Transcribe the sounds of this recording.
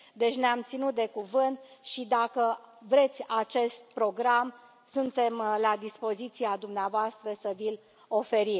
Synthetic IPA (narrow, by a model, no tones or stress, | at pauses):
d̪e̞t͡ʃʲneamt̪sinut̪̚d̪e̞kuvɨnt̪ʃid̪akəvɾe̞t̪sʲat͡ʃe̞st̪̚pɾo̞ɡɾam | sunt̪e̞mlad̪ispo̞zit̪siad̪umneavoast̪ɾəsəvil | o̞fe̞ɾi